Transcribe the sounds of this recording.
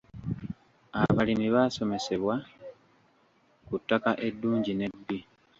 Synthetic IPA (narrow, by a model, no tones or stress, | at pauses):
a̰βalimiβaːso̞me̞se̞βwa | kutːakaʔe̞dːuːɲɟine̞dːi